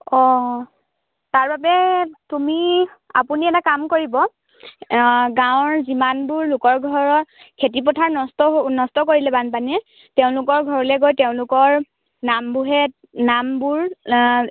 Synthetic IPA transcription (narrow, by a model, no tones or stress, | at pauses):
ɔ | taɹbabɛtumia̰puniɛtakamkoɹibɔ | ɡãw̃ɹzimanbuɹlʊkɔɹɡʱɔɹɔ | kʰetip̬ɔtʰaɹnɔstɔnɔstɔkoɹilɛbanpanɛ | teʊ̃lʊkɔɹɡʱɔɹɔlɛɡojteʊ̃lʊkɔɹ | nambuɦɛ | nambuɹ